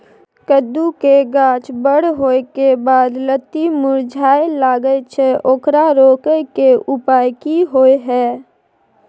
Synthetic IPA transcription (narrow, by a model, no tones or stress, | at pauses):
kəd̪ːukeɡãːt͡ʃbəɽ̤ɦoːekebaːd̪lət̪ːimʊɾd͡ʒʱaːelaːɡəet͡ʃʰeʔoːkɾaɾoːkəkeʊpaːjkiɦoːeɦɛː